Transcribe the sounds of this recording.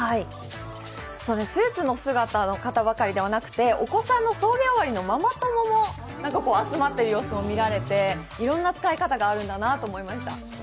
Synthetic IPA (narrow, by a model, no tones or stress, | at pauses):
hai | soːd̪essɨːt͡sɨno̞sɨɡat̪ano̞kat̪aβakaɾʲid̪e̞β̞anakɯ̟̥t̪e̞o̞̰ko̞sãnːo̞so̞ːɡʲaβaɾʲino̞mamat̪o̞momo̞ | nãŋkako̞ːat͡sɨmat̪ːe̞ɾɯ̟jo̞ːsomo̞mʲiɾaɾe̞t̪e̞ | iɾõ̞nːat͡sɨ̥kaikat̪aɡaːɾɯ̟̃nd̪anat̪o̞ːmo̞imaɕi̥t̪a̰